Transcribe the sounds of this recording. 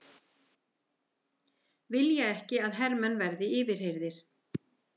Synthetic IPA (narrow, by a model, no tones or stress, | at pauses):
vɪljɛjɛhcɪaðɦɛɾmɛnvɛɾðɪɪːvɪɾ̥hejɾðɪɾ̥